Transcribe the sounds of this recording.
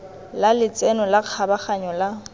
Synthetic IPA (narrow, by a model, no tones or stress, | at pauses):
lalɪt͡sʼɛnɔlaq͡χʰabaχaɲɔla